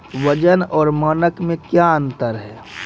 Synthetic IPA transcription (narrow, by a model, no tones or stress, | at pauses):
ʋəd͡ʒənɔːɾmənəkmẽkjaə̃nt̪əɾɦɛː